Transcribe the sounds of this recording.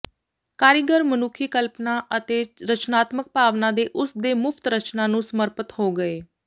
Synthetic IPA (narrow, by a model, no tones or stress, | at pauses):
kaːɾɪɡəɾmənʊkʰiːkəlpnaːʔət̪eːɾət͡ʃnaːt̪mək̚paːʋnãːd̪eːʔʊsd̪eːmʊpʰt̪ɾət͡ʃnaːnũːsəməɾpət̪hoːɡəeː